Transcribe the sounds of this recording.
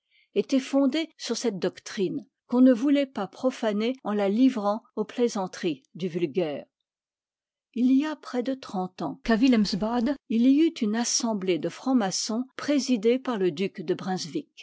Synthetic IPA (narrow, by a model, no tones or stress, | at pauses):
et̪ɛfɔ̃d̪esyʁsɛt̪̚d̪ɔkt̪χin | kɔ̃nəvulɛpapχɔfaneɑ̃lalivʁɑ̃oplezɑ̃t̪χid̪yvylɡʲɛːʁ | ilijapχɛd̪ət̪χɑ̃t̪ɑ̃kavilɛmsbad̪iliyt̪ynasɑ̃bled̪əfχɑ̃masɔ̃pχezid̪epaʁləd̪ykd̪əbʁɛ̃zvik